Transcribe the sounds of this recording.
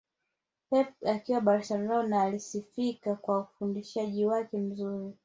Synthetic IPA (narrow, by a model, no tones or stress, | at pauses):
pɛp̚akiwaɓaɾasalaɔnaːlisifikakwaufundiʃaʄiwakɛm̩zuɾi